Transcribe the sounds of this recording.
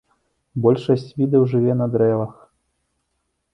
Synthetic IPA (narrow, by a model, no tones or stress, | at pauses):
bɔlʲʂɐsʲt͡sʲvʲid̪ɐwʐɨvʲɛnɐd̪ɾɛvɐx